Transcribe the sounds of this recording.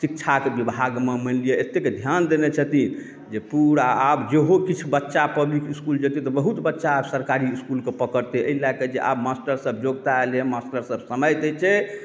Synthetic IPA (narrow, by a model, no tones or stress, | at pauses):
sikt͡ʃʰakebibʱaɡmemənlijeet̪ːeked̪ʱjand̪enet͡ʃʰət̪i | d͡ʒepuɾaabd͡ʒeɦokit͡ʃʰubətːʃapəblikiskuld͡ʒət̪it̪ɔbəɦut̪bətːʃaːbsəɾkaɾiːskulkepəkəɾt̪eə̰ilaked͡ʒeʔa̰bmasʈəɾsəb̚ʱd͡ʒoɡt̪aelemasʈəɾsəbsəməjt̪ət͡ʃʰɛ